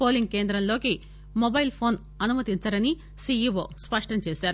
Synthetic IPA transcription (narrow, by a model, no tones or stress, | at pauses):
poːliŋɡ̚keːnd̪ɾɐmloːki | mobɐjlpʰo̞ːn | ɐnumɐt̪iɲt͡ʃaːɾɐni | siiʋo̰ːspɐʂʈɐmt͡ʃeːʃaːɾu